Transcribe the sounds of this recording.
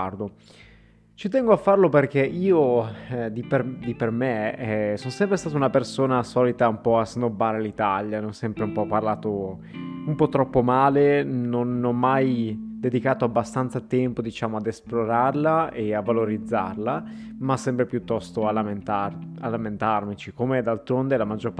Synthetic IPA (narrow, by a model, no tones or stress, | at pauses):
rd̪o | t͡ʃit̪ɛŋɡoafːarloperk̟eʔiːod̪iped̪ipermesonsɛmpɾest̪at̪aunapersoːnasɔːlit̪aumpɔasend̪obːaːɾelit̪aljaneɔsːɛmpɾeumpɔpːarlaːt̪o | umpɔt̪ːɾɔpːomaːlenonɔmːajd̪ed̪ikaːt̪oabːast̪ant̪sat̪ɛmpod̪it͡ʃaːmoad̪esploɾarlaeavːaloɾid̪zːa̰rla | masːɛmpɾepjut̪ːɔst̪oalament̪aalːament̪armit͡ʃikomed̪alt̪ɾond̪elamad͡ʒːorp